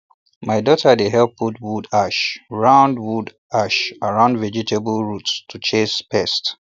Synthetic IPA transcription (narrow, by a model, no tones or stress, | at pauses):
maɪdɔtədeɦɛlputwudaʃɹãʊ̃ndwud | aʃaɹãʊ̃ndvɛd͡ʒitʰebəlɹuttʰut͡ʃespʰɛst